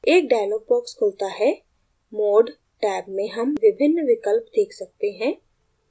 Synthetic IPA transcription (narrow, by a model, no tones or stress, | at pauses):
eːk̚ɖaːloːpɔːkskʰoːlt̪aɦɛ | moːɖ | ʈɛːbmẽɦɐmʋɪbʱɪnːʋɪkəlpd̪eːkʰsɐk̚t̪eɦɛ̃ː